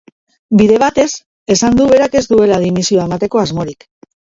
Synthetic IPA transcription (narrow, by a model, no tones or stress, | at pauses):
biðe̞β̞at̪e̞s | e̞sand̪uβ̞e̞ɾake̞zd̪ue̞laðinisioaemat̪e̞ko̞azmo̞ɾik